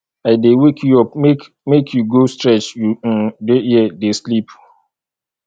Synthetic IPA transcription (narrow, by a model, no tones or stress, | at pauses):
aɪdewekʰjuɔp̚mek | mekʰjuɡostɹɛt͡ʃjudeiɛdeslip